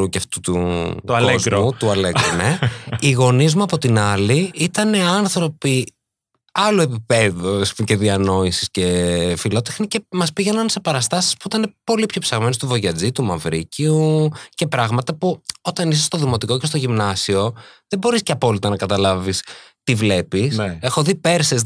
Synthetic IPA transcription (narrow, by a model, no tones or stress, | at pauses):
ɾuceft̪ut̪uɐkzɾmut̪uɐleɡɾuneiɣo̞nizmuɐpo̞t̪inɐliit̪ɐne̞ɐnθɾo̞pi | ɐlue̞pipe̞ðusuce̞ðiɐno̞isi̥sce̞filo̞t̪exnice̞mɐspiʝe̞nɐnse̞pɐɾɐst̪ɐsi̥spuit̪ɐne̞po̞lipço̞psɐɣmenost̪uvo̞ʝɐd͡zit̪umɐvɾḭciuce̞pɾɐɣmɐt̪ɐpuo̞t̪ɐnisest̪oðimo̞t̪iko̞ce̞st̪oʝimnɐsio̞ðebo̞ɾisceɐpo̞lit̪ɐnɐkɐt̪ɐlɐvist̪ivle̞pise̞xo̞ðipe̞ɾses